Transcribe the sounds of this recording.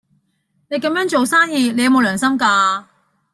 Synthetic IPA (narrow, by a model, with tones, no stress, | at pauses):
ne˨˧jkɐ˧˥mjœː˥ŋt͡ʃo˨wsaː˥njiː˧ne˧jɐ˧mo˨˧lœː˨˩ŋsɐ˥mkaː˧